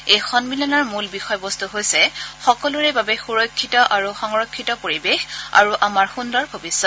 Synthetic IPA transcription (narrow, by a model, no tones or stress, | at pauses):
ejxɔnmilɔnaɹmulbixɔjɔbɔstuɦojsɛxɔkɔluɹɛbabɛxuɹɔkʰːitɔʔaɹuxɔŋɹɔkʰːitɔpoɹibexa̰ɹuʔamaɹxundɔɹbʱobisːɔt